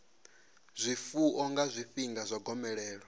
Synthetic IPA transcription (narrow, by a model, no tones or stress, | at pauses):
zʷifuʔɔŋɡazʷiɸiŋɡazʷaɡɔmɛɺɛːɺɔ